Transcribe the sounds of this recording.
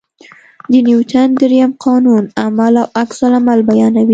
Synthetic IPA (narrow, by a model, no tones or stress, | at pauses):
d̪ənjuwt̪and̪əɾijamqʰɑnunamalawaksalamalbajɑnawi